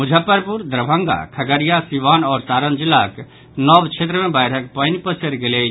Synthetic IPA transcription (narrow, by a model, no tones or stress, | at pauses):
mʊd͡ʒʱəpːəɾpuɾd̪ɾəbʱə̃ŋɡa̰kʰəɡəɾjasiʋaːnɔːɾsaːɾənd͡ʒɪlak | nɔːbt͡ʃʰeːt̪ɾəmẽbajɾək̚pənipəsəɾɡele